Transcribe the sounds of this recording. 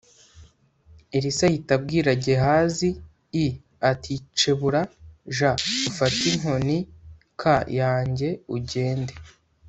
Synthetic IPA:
iɾisahitab̚ɡiːɾaɟe̞ɦaːziː | atʰit͡ʃe̞βuɾaʒaufatiŋ̥o̞ni | kʰajaːɲɟe̞uɟe̞ːnde

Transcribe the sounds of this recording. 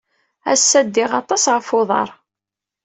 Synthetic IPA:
æ̰sːæd̪ːɪʁɑt̪ˤːɑsʁəfoðˤɑ̰ɾˤ

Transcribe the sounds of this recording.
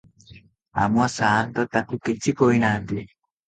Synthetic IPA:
a̰mwasaːnt̪ɔt̪akukit͡ʃikoinand̪i

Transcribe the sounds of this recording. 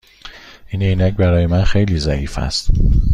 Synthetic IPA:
ʔinejnæcbæɾɒːjemænxe̞jliːzæʔiːfæ̰st̪

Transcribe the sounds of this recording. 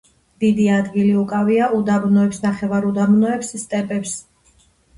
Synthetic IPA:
d̪̥id̪iad̪ɡiliukʼaviaʔud̪abnɔɛpsnaχɛvaɾud̪abnɔɛpsst̪ʼɛpʼɛps

